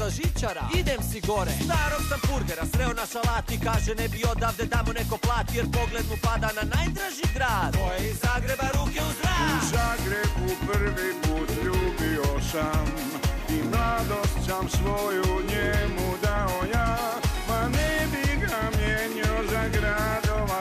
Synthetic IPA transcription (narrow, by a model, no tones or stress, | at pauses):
aʒit͡ʃaɾa̰id̪emsiɡo̞ɾḛnaːɾosampuɾɡeɾasɾeonaʃalˠaːt̪ikaːʒenebio̞d̪aːʋd̪et̪amone̞ko̞plˠaːt̪ijeɾpo̞ɡled̪mupad̪ananaːjd̪ɾaʒiɡɾaːd̪ojzaːɡɾebaɾukeud̪ɾaːuzaɡɾebupr̩ʋipuːt̪ʎubiosam | imlˠad̪ost͡ɕamsʋojuɲemud̪aojaː | manɛbiɡamjeɲiozaɡɾad̪oʋa